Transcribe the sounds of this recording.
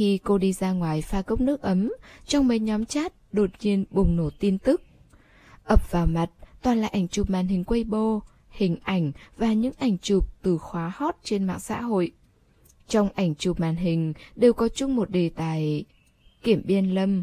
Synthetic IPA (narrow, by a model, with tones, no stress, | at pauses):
xi˧ko˧ɗi˧zaː˧ŋwaː˨˩jfaː˧kə˦˥wk͡p̚nɨ˦˥ək̚ʔə˨˦mt͡ɕɔ˧wŋ͡mmə˨˦jɲɔ˨˦mt͡ɕaː˦˥t̚ɗo˨˩t̚ɲi˧ənɓʊ˨˩ŋ͡mno˧˩t̪i˧nt̪ɨ˦˥k̚ | ʔə˨˩p̚vaː˨˩wma˨˩t̚t̪waː˨˩nla̰ː˨˩ʔa˧˩jŋ̟t͡ɕʊ˨˩p̚ma̰ː˨nɦï˨˩ŋ̟kwə˧jɓo˧ | hï˨˩ŋ̟ʔa˧˩jŋ̟vaː˨˩ɲɨ̰˧˥ŋʔa˧˩jŋ̟t͡ɕʊ˨˩p̚t̪ɨ˨˩xwaː˨˦hɔ˦˥t̚t͡ɕe˧nma̰ː˧˨ŋsa̰ː˧˥ɦo̰˧˨j | t͡ɕɔ˧wŋ͡mʔa˧˩jŋ̟t͡ɕu˨˩p̚maː˨nɦï˨˩ŋ̟ɗe˨˩wkɔ˨˦t͡ɕʊ˧ŋ͡mmo˨˩t̚ɗe˨˩t̪aː˨˩j | ki˧˩əmɓi˧ənlə˧m